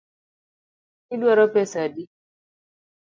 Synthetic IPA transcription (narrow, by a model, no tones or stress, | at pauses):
idwaɾɔpɛsadi